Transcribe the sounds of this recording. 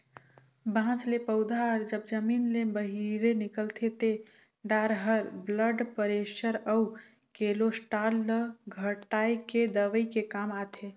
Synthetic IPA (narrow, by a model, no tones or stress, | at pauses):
bãːslepəʊd̪ʱaɾd͡ʒəbd͡ʒəmiːnlebəɦiɾenɪkəlt̪ʰet̪e | ɖaːɾɦəɾbləɖpəɾeːʃəɾəu | keːlosʈaːləɡʱəʈːaːiked̪əʋəikekaːmaːt̪ʰe